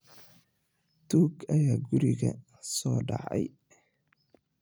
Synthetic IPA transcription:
t̪ʰuːɡɐjaːɡʊɾɪɣɐ̰ | sɔːɖɑʕɛ̰j

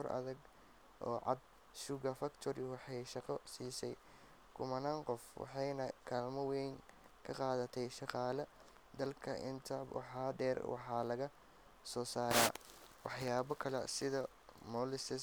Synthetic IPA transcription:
ɔrʔɐ̰ðɐɡ | ʔɔːʕɑ̰d̪̚ | ʃʊɣɐfɐkt̪ʰɔɾɪwɑħɑjʃɑqɔsiːsɛj | kʰʊmɐnaːŋqɔfwɑ̰ħɑjnɐkʰaːlmɔwɛjŋ | kʰɐqɑːðɐt̪ʰɛjʃɑqɑːlɐ | d̪ɐlkʰɐʔɪnt̪ʰɐbwɑ̰ħɑːd̪ɛːrwɑ̰ħɑːlɐɣɐ | sɔːsaːɾaː | wɑħjaːβɐkʰɐlɛ̰sɪðɐ | mɔːlɪsɪ

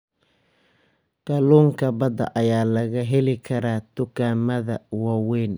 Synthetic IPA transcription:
ɡ̥ɐluːŋkʰɐbɐd̪ɐ̰ʔɐjaːlɐɣɐɦɛlɪkʰɐɾaːd̪̥ʊɡaːmɐðɐwaːwɛːn

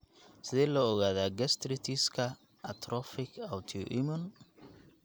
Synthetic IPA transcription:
sɪðɛːlɔːɣaːðaːɡɛst̪ʰɾɪt̪ʰiskʰɐ | ɐt̪ʰɾʔɔfɪkʰawt̪ʰiʊ̰ʔɪmʊn

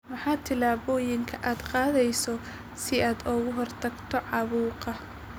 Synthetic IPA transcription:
mɐħɑːt̪ʰɪlaːβɔːjɪŋkʰɐʔaːd̪qɑːðɛjsɔ | sɪaːd̪ɔːɣʊɦɔrt̪ʰɐɡt̪ʰɔʕɑβuːqɐ

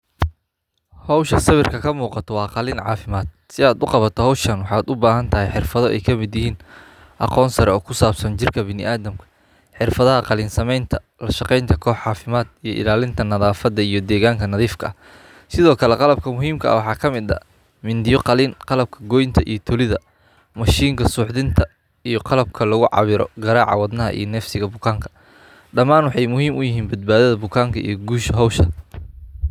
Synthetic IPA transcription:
hɔwʃɐsɐβɪrkʰɐkʰɐmuːqɑt̪ʰɔwɑːqɑliːnʕɑ̰ːfɪmaːd̪̥̚ | sɪaːd̪ʊqɑβɐt̪ʰɔɦɔwʃɐnwɑħɑːd̪ʊbaːɦɐnt̪ʰɐɦɛjħɪrfɐðɔʔɛ̰jkʰɐmɪd̪jɪɦiːn | ʔɑ̰qɔːnsɐɾɛɔːkʰʊsaːbsɐnt͡ʃɪrkʰɐbɪnɪʔaːðɐmkʰɐ̥ | ħɪrfɐðɐɦɐqɑlɪːnsɐmɛjnt̪ʰɐ | lɐʃɑqɛjnt̪ʰɐkʰɔːħʕɑːfɪmaːd̪ijɞʔɪ̰laːlɪnt̪ʰɐnɐðaːfɐd̪ɐijɞd̪ɛːɣaːŋkʰɐnɐðiːfkʰɐɐ | sɪðɔːkʰɐlɛqɑlɐb̚kʰɐmʊɦiːmkʰɐʔɐ̰wɑħɑːkʰɐmɪd̪ɐ̰ | mɪnd̪ɪjɔqɑliːnqɑlɐb̚kʰɐɡɔːjnt̪ʰɐʔḭjɞt̪ʰʊlɪðɐ | mɐʃiːŋkʰɐsʊːħðɪnt̪ʰɐ | ijɞqɑlɐb̚kʰɐlɐɣʊʕɑ̰βɪɾɔ̰ɡɐɾaːʕɑ̰wɑd̪nɐɦɐ̰ʔḭjɔnɛfsɪɣɐbʊkʰaːŋkʰɐ̥ | ɖɐmaːnwɑħɑjmʊɦiːmʊjɪɦiːnbɐd̪̚baːðɐðɐbʊkʰaːŋkʰɐʔḭjɔɡuːʃɐɦɔwʃɐ

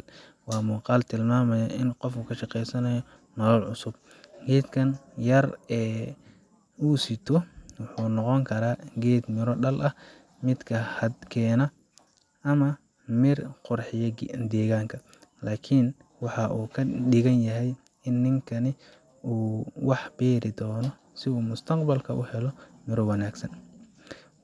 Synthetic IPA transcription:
wɑːmuːqɑːlt̪ʰɪlmaːmɐjɐʔɪnqɔfuːkʰɐʃɑqɛjsɐnɐjɔ | mɐlɐlʕʊsʊb̚ | ɡɛːd̪kʰɐnjɐrɛː | uːsɪt̪ʰɔwʊħuːnɔqɔŋkʰɐɾaːɡɛːd̪mɪɾɔɖɐlʔɐh | mɪd̪kʰɐhɐd̪kʰɛːnɐ | ʔɐmɐ | mɪrqʊrħɪjɐd̪ɛːɣaːŋkʰɐ | laːkʰɪn | wɑħɑʔuːkʰɐɗɪɣɐnjɐɦɛj | ɪnːɪŋkʰɐnɪ | uːwɑħbɛːɾɪd̪ɔːnɔ | sɪuːmʊst̪ʰɐqbɐlkʰɐʔʊhɛlɔmɪɾɔwɐnaːɡsɐn

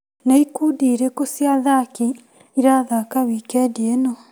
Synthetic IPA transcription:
naikuːdiːɾekosjaðaki | iɾaðakawikɛdiɛnɔ

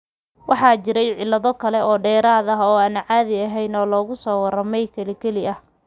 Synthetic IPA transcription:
wɑħɑːt͡ʃɪɾɛjʕɪlːɐðɔkʰɐlɛʔɔːɖɛːɾaːðɐɦɔːaːnɐʕɑːðɪɐɦɛjnɔːlɔːɣʊsɔːwɐrɐmɛjkʰɐlɪkʰɛlɪʔɐh

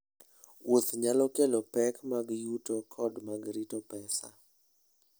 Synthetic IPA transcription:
wot̪ɲalɔkelɔpɛkmaɡjutokʰɔdmaɡɾitɔpɛsa̰

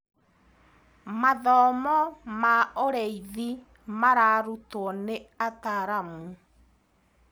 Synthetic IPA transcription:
maðɔmɔmaoɾɛiði | maɾaɾutwɔneataɾamu

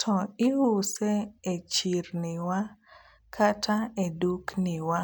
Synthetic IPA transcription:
tʰɔɪhusɛet͡ʃiɾnɪwa | kʰatʰaeduknɪwa

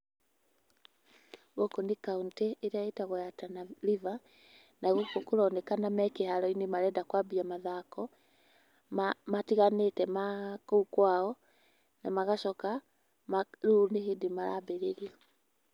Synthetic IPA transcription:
ɣokonekaunteʔːɾeaetaɣojatanaɾiva | naɣokokoɾɔnɛkanamɛkehaɾɔinemaɾɛdakwabiamaðakɔ | matiɣanetɛmakuukwaɔ | namaɣaʃɔka | maɾunehedimaɾa̰beɾeɾiɔ

